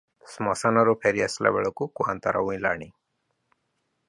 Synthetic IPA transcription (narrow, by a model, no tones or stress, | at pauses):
smɔsanɔɾupʰeɾiasla̰bɛɭɔkukuɦa̰nt̪aɾa̰ũĩla̰ɽ̃i